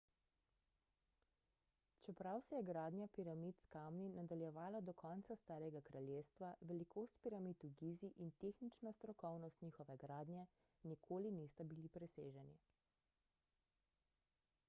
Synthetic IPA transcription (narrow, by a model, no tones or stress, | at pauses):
t͡ʃɛpɾawsɛjɛɡɾaːd̪njapiɾamit̪skamninad̪aljɛʋaːlad̪ɔkɔnt̪sast̪aːɾɛɡakɾaljeːst̪ʋaʋɛlikoːst̪̚piɾamit̪uɡiːziʔint̪exnit͡ʃnast̪ɾɔkɔwnɔst̪ɲiːxɔʋɛɡɾaːd̪nʲjɛ | nikʰoːlinist̪abilipɾɛsḛːʒɛni